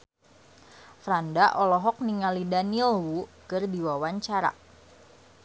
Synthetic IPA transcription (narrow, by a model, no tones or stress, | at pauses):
fɾandaʔɔlɔɦɔk̚niŋalidanilwukɨrdiwawaɲt͡ʃaɾa̰